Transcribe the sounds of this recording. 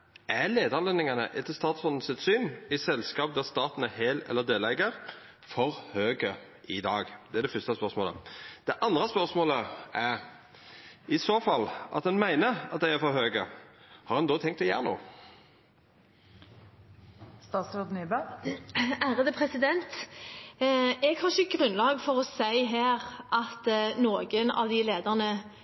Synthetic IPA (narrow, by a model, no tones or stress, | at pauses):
ʔæleːd̪ɑʁlɛnɪŋɑnə̰ʔɛt̪ːəst̪ɑːt̪sɔnn̩sɪt̪syːnɪsɛlskɑːp̚d̪æʁst̪ɑːt̪nəheːlɛ̰lːəʁd̪eːlɛɡəʁ | fɔʁhøːɡə | ʔɪd̪ɑːɡd̪ɛæʁd̪ɛfʏst̪əspœʁsmoːlə̰d̪̥ɛʔɑnd̪ʁəspœʁsmoːləæʁ | ɪsoːfɑlʔɑ̰t̪d̪ɛnmæɪnəɾɑ̰t̪̚d̪æɪæɾfɔɾhøːɡəhɑʁhɛnd̪oːt̪ʰɛŋk̚t̪ɔjæ̰ːʁno̰ː | st̪ɑːt̪sɾod̪nyːbɑ | æːʁəd̪əpʰʁɛsɪd̪ɛnt̪ | ɛɡhɑʁʃəɡʁʉnlɑːɡfɔʁɔsæɪɦeːʁʔɑt̪noːɡənɑ̰ʋd̪ɪleːd̪əʁnə